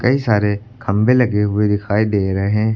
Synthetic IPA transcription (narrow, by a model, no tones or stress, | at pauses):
kɐisaːɾe | kʰɐ̃mbʱelɐɡeɦʊed̪ɪkʰaːid̪eːɾɐɦeɦɛ̃ː